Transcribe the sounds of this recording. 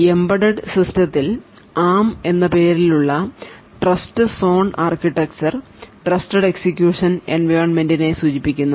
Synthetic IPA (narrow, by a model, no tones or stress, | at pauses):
embɐɽɐɖsɐst̪ʰjɐt̪ːil | aːme̞nːɐpe̞ːɾiluɭːɐ | ʈrɐstɨso̞ːɳaːrkiʈːɐk̚t͡ɕɐr | ʈrɐstɐɖe̞ksikʲjuːʂɐnḛnʋɐːɳme̞ndine̞suːd͡ʑipːikʲːunːɐ